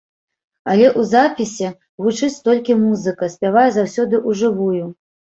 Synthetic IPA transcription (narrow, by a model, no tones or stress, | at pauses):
ɐlʲɛʔuzapʲisʲɛ | ɣut͡ʂɨt͡sʲt̪ɔlʲkʲimuzɨkɐsʲpʲavajɛzawsʲɔd̪ɨʔuʐɨvuju